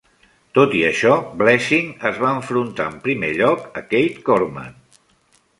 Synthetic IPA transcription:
t̪ot̪iəʃɔblɛʃiŋəzβaəɱfɾunt̪a̰əmpɾimeʎɔkəkejt̪koɾma̰n

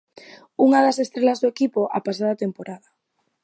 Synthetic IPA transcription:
uŋaðasest̪ɾelazðoekipoʔa̰pasaðat̪empoɾaða

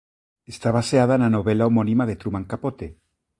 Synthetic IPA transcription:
est̪aβaseað̞aenanoβe̞laomonimaðet̪ɾumaŋkapo̞t̪e

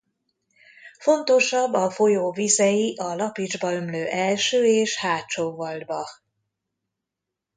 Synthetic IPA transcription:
fo̞nt̪o̞ʃɒbːɒfo̞joːvizɛjiʔɒlɒpid͡ʒbɒømløːʔɛlʃøːeːʃhaːt͡ʃoːvɒld̪bɒ

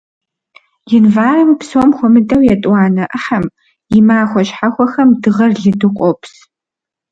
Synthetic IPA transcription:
jɪnvaːrɨmpsoːmxʷɔmɨtʼɐwjɛtʼwɑːnɐʔɐħɐm | jɪmaːxʷɔɕħaxʷɔxɐmdɨʁɐrɮɨdɨqʷʼɔpʰs

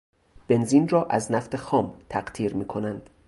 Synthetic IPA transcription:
b̥e̞nziːnrɒːʔæznæft̪e̞xɒːmt̪ʰæɢt̪ʰiːɾmiːkʰo̞nænd̪̥

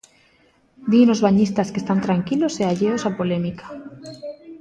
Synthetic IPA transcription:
d̪ino̞zβaɲist̪askest̪ant̪ɾaŋkilo̞seaʎeosapo̞le̞mikḁ

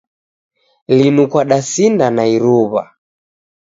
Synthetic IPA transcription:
linukwaɗasindanaiɾuβa̰

